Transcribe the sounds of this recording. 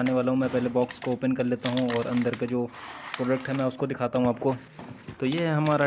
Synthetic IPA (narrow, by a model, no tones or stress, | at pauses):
aːneʋaːlaɦũmɛ̃ːpɛɦlebɔːkskooːpənkɐɾleːt̪aɦũɔːɾɐ̃nd̪əɾked͡ʒoːpɾoːɖək̚ʈɦɛmɛ̃ːʊskod̪ɪkʰaːt̪aɦũaːp̚ko | t̪ojeːɦɐmaːɾa